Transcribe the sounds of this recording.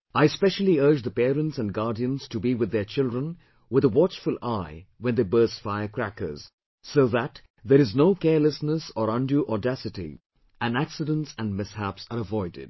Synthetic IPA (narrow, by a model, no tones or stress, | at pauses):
aɪspɛʃəl̩ˠiɜ˞d͡ʒðəpɛːɾə̃ntsæ̃nɡɑɹdiə̃nz̥tubiwɨðːət͡ʃɪlˠdɹə̃n | wɪðəwɑt͡ʃfʊlˠaɪwɛ̃nðeɪbɜ˞sfaɪə˞kʰɹækə̰˞z̥ | soʊðæt | ðɛɾɨznoʊkɛləsnəsɔɾʌ̃nduʔɔdæsɨtḭ | ʔæ̃næksɨdə̃ntsæ̃nmɪshæpsəɾəvɔɪdɪ̰d̥̚